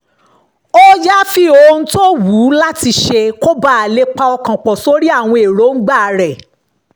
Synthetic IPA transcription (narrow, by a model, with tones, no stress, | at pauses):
o˦ja˦fi˦o˧ñ̩˦to˦wu˨˦la˦ti˧ʃe˧ko˦ba˦a˨le˦k͡pa˧ɔ˧kã˨k͡pɔ˨so˨˦ɾi˦a˦˨w̃ɔ̃˧e˨ɾo˨˦ŋ̩˦ɡ͡ba˦˨˧ɾɛ˦˨